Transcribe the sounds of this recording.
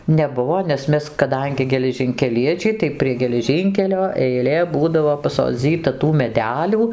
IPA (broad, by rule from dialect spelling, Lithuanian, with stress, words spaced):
nʲɛˈbʊʋoː nʲɛs ˈmʲɛs kɐˈdɐŋʲɡʲɪ ɡʲɛlʲɛʒʲɪŋʲkʲɛˈlʲiɛt͡ʃʲɛɪ tɐɪ pʲrʲiɛ ɡʲɛlʲɛˈʒʲiːŋʲkʲɛlʲoː ɛɪˈlʲeː ˈbuːdɐʋoː pɐsoːˈd͡zʲiːtɐ tuː mʲɛˈdʲæːlʲuː